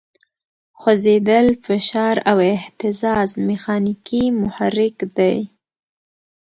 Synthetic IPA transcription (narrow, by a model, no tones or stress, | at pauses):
xazed̪əlfɪʃɑɾawɪht̪ɪzɑzmɪxɑnikimʊhaɾːɪkd̪aj